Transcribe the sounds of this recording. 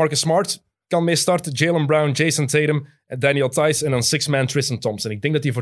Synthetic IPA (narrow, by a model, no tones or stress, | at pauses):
ɑɹkəsmɑɹt | kɑnmestɑrtəd͡ʒejlˠəmbɹawnd͡ʒejsə̃nteɪɾəm | dænjəlˠtajsɛ̃ndɑnsɪksmæ̃ntɹɪstə̃ntɔmsɛnɪɡ̚dɛŋɡdɑtivo